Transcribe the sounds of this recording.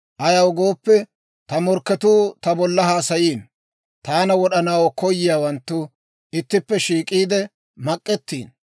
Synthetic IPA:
ʔɐjɐwɡo̞ːpːɛ | t̪ɐmɔɾkːɛt̪uːt̪ɐbɔlːɐhaːsɐjiːn | t̪aːnɐwɔɗɐnawkɔjːɪjaːwɐnt̪ːʊ | ɪt̪ːɪpːɛʃiːkʼiːd̪ɛ | mɐkʼːɛt̪ːḭːn

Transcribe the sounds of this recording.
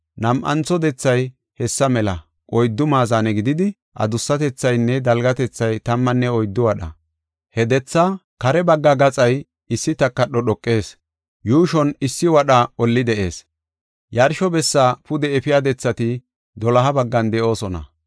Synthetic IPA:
nɐmʔɐ̰nt͡sɔd̪ɛt͡sːɐj | hɛsːɐmɛlɐ | kʼɔjd̪ːʊmaːzaːnɛɡɪd̪ɪd̪ɪ | ʔɐ̰d̪ʊsːɐt̪ɛt͡sːɐjnːɛd̪ɐlɡɐt̪ɛt͡sːɐjt̪ɐmːɐnːɛɔjd̪ːʊwɐɗɐ̰ | hɛd̪ɛt͡sːa | kɐɾɛbɐɡːɐɡɐt͡sʼɐj | ɪsːɪt̪ɐkːɐɗɔɗɔkʼːe̞ːs | juːʃɔnɪsːɪwɐɗɐɔlːɪd̪ɛʔe̞ːs | jɐɾʃɔbɛsːaːpʊd̪ɛɛfɪjad̪ɛt͡sːɐt̪ɪ | d̪ɔlɐɦɐbɐɡːɐnd̪ɛʔo̞ːsɔnɐ̰

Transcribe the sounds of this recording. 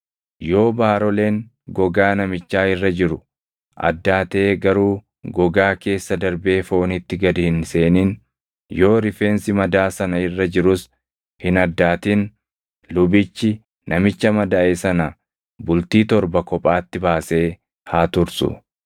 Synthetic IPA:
jo̞ːbaːɾɔle̞ːŋ | ɡɔɡaːnɐmɪt͡ʃːaːɪrːɐd͡ʒɪɾʊ | ʔɐ̰d̪ːaːt̪e̞ːɡɐɾuː | ɡɔɡaːke̞ːsːɐd̪ɐɾbe̞ːfoːnɪt̪ːɪɡɐd̪ɪhɪnse̞ːniːn | jo̞ːɾɪfe̞ːnsɪmɐd̪aːsɐnɐɪrːɐd͡ʒɪɾʊs | hɪnɐd̪ːaːt̪iːn | lʊbɪt͡ʃːɪ | nɐmɪt͡ʃːɐmɐd̪aːʔesɐnɐ | bʊlt̪iːt̪ɔɾbɐkɔpʼaːt̪ːɪbaːse̞ː | haːt̪ʊɾsʊ̰

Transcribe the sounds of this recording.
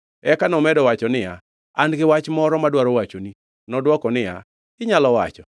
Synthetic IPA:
ɛkanɔmɛdɔwat͡ʃɔnɪja | anɡɪwat͡ʃmɔɾɔmadwaɾɔwat͡ʃoni | nɔdwɔkɔnɪja̰ | ɪɲalɔwa̰t͡ʃɔ

